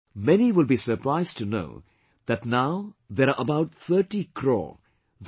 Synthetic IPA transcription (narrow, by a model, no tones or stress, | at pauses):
mɛniʋɪlbisəɾpɾaɪzʈuno̰ʊ | d̪æʈnaʊd̪eɾaʔəbaʊʈ̚t̪ʰəːʈikʰɾɔ̰ː | ð